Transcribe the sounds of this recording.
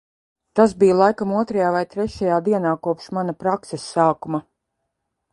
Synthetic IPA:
t̪aszbijalˠajkamuɔt̪ɾajaːvajt̪ɾɛʃajaːd̪iɛnaːkuɔpʃmanapɾaksesːaːkuma

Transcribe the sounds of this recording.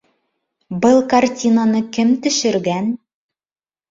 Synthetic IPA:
bɤlˠkartʲinanɤkɘmt̪ɵ̆ʃɘ̆ɾɡæn

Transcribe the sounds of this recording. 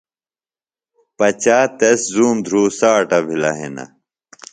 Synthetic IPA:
pɐt͡ɕaːt̪eszuːmd̪ʱɾuːsaːʈɐbʱilɐ̰ɦḛnɐ̰

